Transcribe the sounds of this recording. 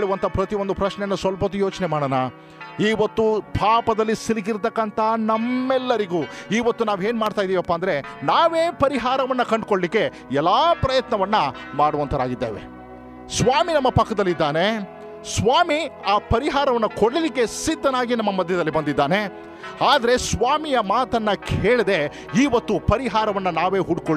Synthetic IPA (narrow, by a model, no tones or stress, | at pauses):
ɦeːɭuʋɐnt̪ʰɐpɾɐt̪io̞nd̪upɾɐʃnɛjɐnːusʋɐlpɐt̪ːujo̞ːt͡ʃnemaːɽɐːnɐ | iːʋɐt̪ːupʰaːpɐd̪ɐlːisiɾiɡiɾt̪ɐkːɐnt̪ɐnɐmːɛlːɐɾiɡuːiːʋɐt̪ːunaːʋe̞ːnmaːɖt̪aːjd̪iːʋiɐpːaːnd̪ɐɾe̞naːʋeːpɐɾiɦaːɾɐʋɐnːɐkɐɳɖkoɭlikːe̞ | ɛlːaːpɾɐjɐt̪nɐʋɐnːɐ | maːɽuʋɐnt̪ʰɐd̪a̰ːɡid̪ːḛːʋḛ | sʋaːminɐmːɐpɐkːɐd̪ɐlːid̪ːaːne̞ | sʋaːmiaːpɐɾiɦaːɾɐʋɐnːɐkoɽlilikːe̞sid̪ːɐnaːɡinɐmːɐmɐd̪ʱjɐd̪ɐlːibɐnd̪id̪ːaːne̞ | aːd̪ɐɾe̞sʋaːmijɐmaːt̪ɐnːɐkʰeːɭɐd̪e̞ | iːʋɐt̪ːupɐɾiɦaːɾɐʋɐnːɐnaːʋe̞ːɦuɖkoɭ